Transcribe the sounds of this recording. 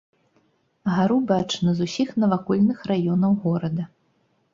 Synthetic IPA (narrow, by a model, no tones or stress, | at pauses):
ɣaɾubat͡ʂnɐzusʲixnɐvakɔlʲnɨxrajɔnɐwɣɔɾɐd̪ɐ